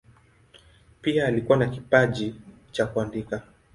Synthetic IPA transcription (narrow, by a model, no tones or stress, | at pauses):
piaːlikuanakipaʄi | t͡ʃakuandika